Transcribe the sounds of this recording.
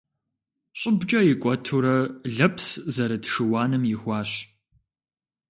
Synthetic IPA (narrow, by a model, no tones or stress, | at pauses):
ɕʼʊbd͡ʒʼɐjɪkʷʼɔtʰuɾɐɮɐpʰszɐɾɐtʂɨwaːnɨmjɪxʷɑːɕ